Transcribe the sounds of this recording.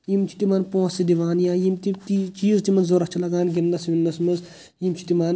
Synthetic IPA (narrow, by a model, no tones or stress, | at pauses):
jimt͡ʃʰi̥t̪imaːnpõːsid̪iʋaːnjãːjimt̪it̪it͡ʃiːzt̪imɐnzzoɾɐht͡ʃʰilɐɡaːnɡinːɐsʋinːɐsmɐz | jimt͡ʃʰi̥t̪imaːn